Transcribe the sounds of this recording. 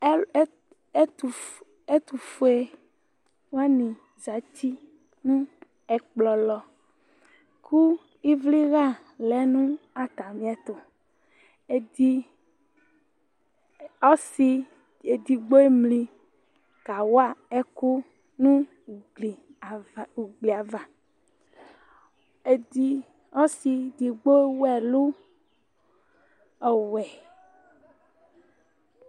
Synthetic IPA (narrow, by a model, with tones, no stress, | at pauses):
tu˨ | e˦t̪u˨fo˨˦e˨ | wo˦a˦nĩ˨ | za˨ti˦ | nũ˦ | ɛ˨k͡plɔ˨lɔ˨ | kʰu˦ | i˦vli˦ɣa˦˨ | lɛ˨˦nũ˦a˨t̪a˨mĩ˦ɛ˦t̪o˨ | e˨di˦ | ɔ˦si˦ | e˨d̪i˨ɡ͡bo˦e˦mlĩ˦ | ka˨wo˦a˦ɛ˦ku˦ | nũ˦˨ | li˨ | u˨ɡ͡bli˨a˨va˨ | i˦ | ɔ˦si˨d̪i˨ɡ͡bo˦e˦wɛ˨lu˦ | ɔ˨wɛ˨